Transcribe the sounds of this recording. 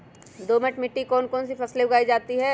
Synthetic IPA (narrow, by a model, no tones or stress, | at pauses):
d̪oːmɛʈmɪʈːikɔːnkɔːnsifʰɐsleʊɡaːid͡ʒaːt̪iɦɛː